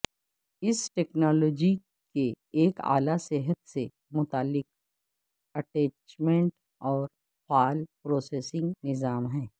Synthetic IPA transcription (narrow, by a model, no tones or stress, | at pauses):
ɪsʈeːknaːlɔːd͡ʒi | keː | ka̰ːlaseɦət̪se | mʊt̪aːlːɪk̚ | ɐʈeːt͡ʃmẽɳʈ | ɔːɾ | faːlpɾoːseːsɪ̃ŋɡnɪzaːmɦɛ̃ː